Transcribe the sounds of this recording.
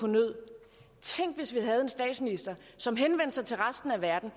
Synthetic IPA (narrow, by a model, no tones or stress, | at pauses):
onøð̰ˠ | t͡sʰeŋ̰ɡ̥ʋe̝sʋiɦæð̞̩ˠe̝nsd̥ɛ̰ːd̥sminisd̥ɐ | sɒ̽mɦenʋen̰d̥sɑ̈ɪt͡sʰe̝lʁasd̥n̩æʋæɐd̥n̩